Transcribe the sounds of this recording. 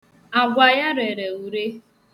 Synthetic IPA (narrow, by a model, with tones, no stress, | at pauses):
a˨ɡʷa˨ja˦ɾe˨ɾe˨u˨ɾe˦